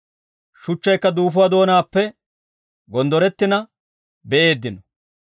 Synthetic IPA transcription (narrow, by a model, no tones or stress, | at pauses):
ʃʊt͡ʃːɐjkːɐd̪uːfʊwad̪o̞ːnaːpːɛ | ɡɔnd̪ɔɾɛt̪ːɪnɐ | bɛʔe̞ːd̪ːɪnɔ